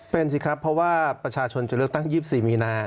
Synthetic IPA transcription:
pe˧nsʰi˨˧˩kʰɾa˦˥pʰːɾɔ˦˥waː˥˩pɾa˧t͡ɕʰaː˧t͡ɕʰo˧nt͡ɕa˨˩lɯ˥˩ək̚t̪a˥˩ŋjiː˥˩p̚siː˨˩miː˧naː˧

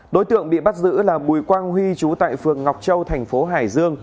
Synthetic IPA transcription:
ɗo̰˨˦jt̪ɨ̰˧˨əŋɓḭ˧˨ɓa˦˥t̚zɨ̰˧˥laː˨˩ɓu˨˩jkwaː˧ŋɦwi˧t͡ɕu˨˦t̪a̰ː˧˨jfɨ˨˩əŋːa˨˩wk͡p̚t͡ɕə˧wt̪ʰɛ˨˩jŋ̟fo˨˦ɦaː˧˩jzɨ˧əŋ

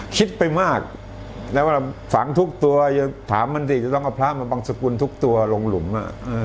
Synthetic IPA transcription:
kʰi˦˥t̪̚pa˧jmaː˥˩k̚ | lɛ˦˥wa˥˩˧fa˩˦ŋt̪ʰu˦˥k̚t̪u˧ɐja˧˩t̪ʰaː˩˦mːa˧nsiː˨˩t͡ɕa˨˩t̪ɔ˥˩ŋʔa˨˩pʰlaː˥˩maː˧baː˧ŋsa˧ku˧nt̪ʰu˦˥k̚t̪u˧ɐlo˧ŋlu˩˦mʔa̰˧˩ʔaː˧

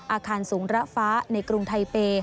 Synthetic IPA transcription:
ʔaː˧kʰaː˧nsuː˩˦ŋɾa˦˥ʔfaː˦˥na˧jkɾu˧ŋt̪ʰa˧jpeː˧

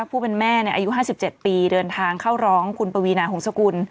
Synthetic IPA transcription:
a˥˩pʰuː˥˩pe˧nmɛː˥˩ni˥˩ʔaː˧ju˦˥ɦaː˥˩si˨˩p̚t͡ɕe˨˩t̪̚piː˧dɤː˧nt̪ʰaː˧ŋkʰaː˥˩wɾɔː˦˥ŋkʰu˧npa˧wi˧naː˧ho˩˦sa˧ku˧n

